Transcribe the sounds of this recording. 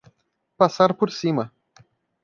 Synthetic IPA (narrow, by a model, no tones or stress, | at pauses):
pasarpursimə